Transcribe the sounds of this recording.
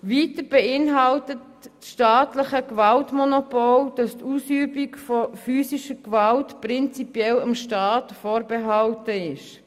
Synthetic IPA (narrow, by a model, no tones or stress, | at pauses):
ʋiːtəɾb̥ɛɪnɦɑltətː | sʃtɑːtləχəkʋɑltmɔnopɔld̥ɑstuːsyːbikfɔfyːsiʃəkʋɑltprɪnt͡sipjɛlɑmʃtɑːtfoːɾbeɦɑltəɪʃ